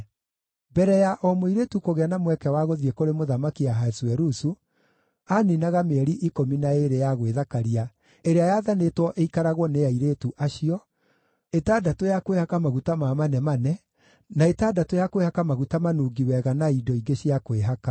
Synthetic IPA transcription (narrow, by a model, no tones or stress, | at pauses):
bɛɾɛjaʔɔmoiɾetukoɣeanamwɛkɛwaɣoðiekoɾemoðamakiaɦaɛswɛɾusu | aninaɣameɛɾiʔikominaeɾejaɣweðakaɾia | eɾeajaðanetwɔʔeikaɾaɣwɔneaiɾetuʔaʃiɔ | etaːdatojakwehakamaɣutamamanɛmanɛ | naetadatojakwehakamaɣutamanuːɡiwɛɣanaidɔiɡeɕiakweɦaka